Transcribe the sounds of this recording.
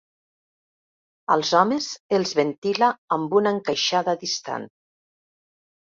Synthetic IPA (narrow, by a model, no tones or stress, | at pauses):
əlˠzɔmezelˠzβent̪ilaːmbunaŋkəʃaðaðist̪a̰n